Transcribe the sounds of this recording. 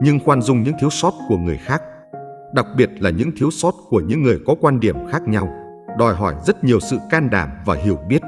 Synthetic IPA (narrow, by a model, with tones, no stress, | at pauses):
ɲɨ˧ŋxwaː˧nzʊ˧ŋ͡mɲɨ̰˧˥ŋt̪i˨˦əwsɔ˦˥t̚ku˧˩əŋɨ˨˩əjxaː˦˥k̚ | ɗa˨˩k̚ɓi˨˩ət̚laː˨˩ɲɨ̰˧˥ŋt̪ʰi˨˦əwsɔ˦˥t̚ku˧˩əɲɨ̰˧˥ŋːɨ˨˩əjkɔ˨˦kwaː˧nɗi˧˩əmxaː˦˥k̚ɲa˧w | ɗɔ˨˩jɦɔ˧˩jzə˦˥t̚ɲi˨˩əwsɨ̰˧˨kaː˧nɗa̰ː˧˩mvaː˨˩ɦi˧˩əwɓi˦˥ət̚